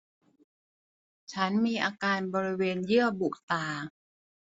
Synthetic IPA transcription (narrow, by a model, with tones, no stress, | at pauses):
t͡ɕʰa˦˥nmiː˧ʔaː˧kaː˧nbɔː˧ɾi˦˥weː˧njɯ˥˩əbu˨˩k̚t̪aː˨˩